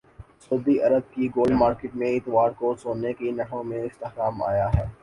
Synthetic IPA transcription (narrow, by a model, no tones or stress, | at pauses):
soːd̪iʔɐɾəd̪̚kiɡoːlɖmaːɾkɪːʈmẽɪt̪ɪʋaːɾkosoːnekinɐɽõmẽɪst̪ɪhkaːma̰ːjaɦɛː